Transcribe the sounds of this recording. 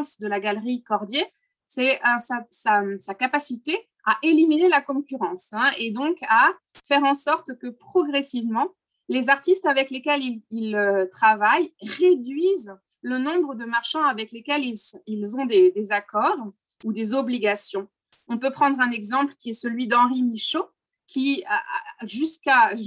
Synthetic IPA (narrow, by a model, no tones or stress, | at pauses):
sd̪əlaɡalʁikɔʁd̪je | sɛəsasasakapasit̪e | aʔeliminelakɔ̃kʲyʁɑ̃sɛ̃ed̪ɔ̃ka | fɛʁɑ̃sɔʁt̪kəpχɔɡʁɛsivmɑ̃ | lezaʁt̪ist̪avɛklekʲɛlililøt̪χavajʁed̪ɥiz | lənɔ̃bʁəd̪əmaʁʃɑ̃avɛklekʲɛlilsilzɔ̃d̪ed̪ezakɔʁ | ud̪ezɔbliɡasjɔ̃ | ɔ̃pøpχɑ̃d̪ʁɛ̃nɛɡzɑ̃plkʲiɛsəlɥid̪ɑ̃ʁimiʃo | kʲi | ʒyska